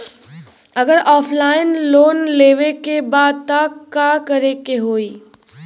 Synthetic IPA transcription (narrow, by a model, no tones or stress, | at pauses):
ɐɡəɾɔːpʰlaːɪnloːnleːʋekebaːd̪̚t̪akːaːkɐɾekeɦoːiː